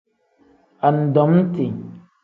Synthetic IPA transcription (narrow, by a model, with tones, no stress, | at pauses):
a˨n˨dɔ˨˦m˦ti˨ɲ